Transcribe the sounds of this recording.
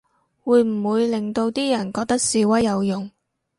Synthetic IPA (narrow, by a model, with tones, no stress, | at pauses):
wuː˨˧jm̩˨˩wuː˨˧jlɪ˨ŋt̪o˧wt̪iː˥jɐ˨˩nkɔː˧k̚t̪ɐ˥k̚siː˨˧wɐ˥jjɐ˨˧wjʊ˨ŋ